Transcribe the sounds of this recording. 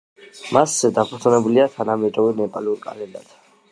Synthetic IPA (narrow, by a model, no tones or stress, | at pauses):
masd̪apʰuɾt̪ʼunɛbuliat̪ʰanamɛd̪ɾɔvinɛpʼaluɾkʼa̰lɛnd̪a̰d̪̥